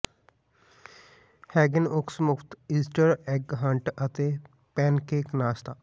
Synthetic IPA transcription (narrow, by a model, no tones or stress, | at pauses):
hɛːɡɪnʊksmʊkʰt̪iːsʈəɾɛɡɦəɳʈət̪eː | pɛːnkeːknaːst̪aː